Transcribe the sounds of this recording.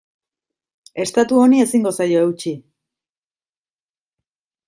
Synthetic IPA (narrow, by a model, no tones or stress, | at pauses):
e̞st̪at̪uo̞nie̞siŋɡo̞sajo̞ewt͡ʃi